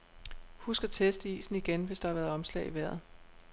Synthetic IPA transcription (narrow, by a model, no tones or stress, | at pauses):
husɡ̥ɐt͡sʰesd̥ḭːsn̩iɡ̥enʋe̝sd̥ɑ̈hɑ̈ʋæɐðˠɒ̽mslɛ̰ɪiʋæɐ̰ð̞̩ˠ